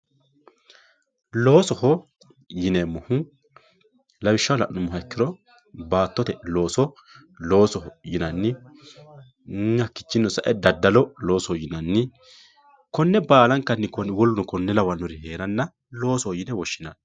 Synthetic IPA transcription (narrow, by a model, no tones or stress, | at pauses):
lo̞ːsɔhɔ | jɪnɛmɔhʊ | lɐwɪʃːɐlɐ̰ʔnʊmːʊɦɐkːɪɾɔ | baːt̪ːɔt̪ɛlo̞ːsɔ | lo̞ːsɔɦɔjɪnɐnːɪ | ɐkːɪ̥t͡ʃːɪnːɔsɐʔɛd̪ɐd̪ːɐlɔlo̞ːsɔhɔjɪnɐnːɪ | kɔnːɛbaːlɐŋkːɐnːɪkɔnwɔlɔnɔkɔnːɛlɐwɐnːɔɾɪɦe̞ːɾɐnːɐ | lo̞ːsɔhɔjɪnɛwɔʃːɪnɐ̰n